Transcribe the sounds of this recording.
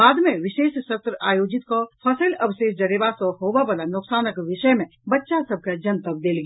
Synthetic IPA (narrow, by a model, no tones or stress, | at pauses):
aːd̪mẽʋɪʃeːʃsət̪ɾəaːjoːd͡ʒɪt̪kopʰəsəlɐʋʃeːʃd͡ʒəɾeːʋasɔɦoːbabalanʊksaːnəkʋɪʃəjmẽ | bɐtːʃasəb̚ʱked͡ʒənt̪əb̚d̪eːlɡ